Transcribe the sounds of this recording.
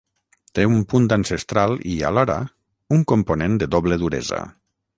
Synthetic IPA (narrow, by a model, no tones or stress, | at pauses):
t̪eumpunt̪ansest̪ɾalˠia̰lɔɾa̰ | uŋkomponend̪eðoβleðuɾḛza̰